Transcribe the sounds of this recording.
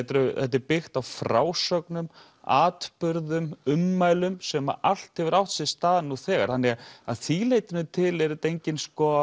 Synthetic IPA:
t̪ɾʏθɛht̪̬ːɪɾpɪxt̪awfɾaːwsœknʏm | aːt̪pʏɾðʏmʏmːaːjlʏmsɛma̰ʔal̥t̪hɛvʏɾawht̪sɛðst̪aːðɪnuθɛːɣa̰ɾ̥hanːɛɣaðθilejt̪ʏnʏt̪ʰɪlɛɾɪt̪ejɲcɪnskɔ

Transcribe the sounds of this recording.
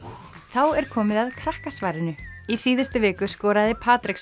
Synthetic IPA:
θawɛɾ̥kʰɔːmɪðaðkʰɾahkasvaːɾɪnʏisiːðɪst̪ɪvɪːkʏskɔːɾaðɪpʰaːt̪ɾɪks

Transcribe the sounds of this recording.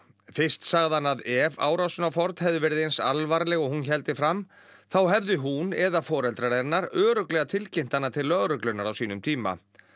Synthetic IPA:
fɪrst̪saːɣðanaðɛva̰ːwɾawsʏnafɔɾt̪hɛvðʏvɛːɾɪðejnsa̰lvaɾlɛɣɔɣhunçɛlt̪ɪfɾam | θawɦɛvðɪɦunɛðafɔːɾɛlt̪ɾaɾɛɾnːaɾœːɾʏklɛɣat̪ʰɪlcejn̥t̪anːat̪ʰɪlːœɣɾʏklʏnaɾawsiːnʏmt̪ʰiːma̰

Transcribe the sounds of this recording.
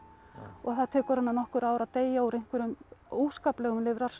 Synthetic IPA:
ɔɣθaðt̪ʰɛːkʏɾ̥hanːanɔhkʏɾaːwɾaðt̪eːjaɔwɾejŋ̥kvɛɾʏmoːwskaːplɛɣʏmlɪvɾḁs

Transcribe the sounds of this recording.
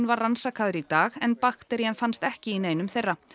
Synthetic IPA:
nvarransakʰaːðʏɾit̪aːɣɛnpaxt̪ɛɾjanfanst̪ɛhcɪineːjnʏmθejrːa

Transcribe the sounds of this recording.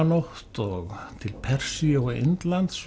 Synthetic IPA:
noht̪ɔɣt̪ʰɪlpʰɛr̥sioɣḛnt̪lant̪s

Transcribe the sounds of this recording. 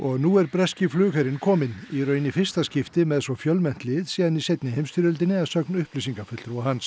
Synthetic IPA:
ɔɣnuːɛɾpɾɛscɪflʏːkhaɾɪnkʰɔːmɪniɾœːɥnɪfɪr̥st̪ascɪft̪ɪmɛðsvɔfjœlmɛn̥t̪lɪðsiːðanisejt̪nɪhejmst̪ʏɾʏlt̪̬ɪnɪaðsœknʏhplisiŋkafʏt̪lt̪ɾahans

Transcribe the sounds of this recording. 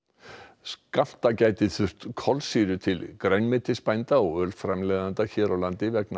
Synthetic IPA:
skam̥t̪acaːjt̪ɪθʏr̥t̪kʰɔlsiːɾʏt̪ʰɪlkɾeɥnmɪt̪ʰːɪspajnt̪aɔɣœːlfɾamlɛːðant̪açɛːɾawlant̪ɪvɛk̚na

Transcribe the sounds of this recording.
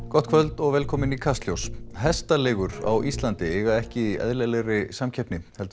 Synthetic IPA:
kɔt̪̚ʰvœlt̪ɔɣvɛːlkʰɔːmɪnikʰast̪ljowsɦɛst̪alɛːɣʏɾa̰wʔist̪lant̪ɪɛɣaɛhcɪiɛ̰ðlɛlɛɣrɪsamcʰɛpnɪhɛlt̪

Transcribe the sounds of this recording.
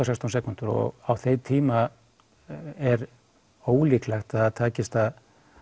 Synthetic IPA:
awsɛkst̪ansɛːkunt̪ʏɾɔ̰ɣawθejt̪ʰiːma | ɛɾ | oːwliːklaxt̪aat̪ʰaːcɪst̪að

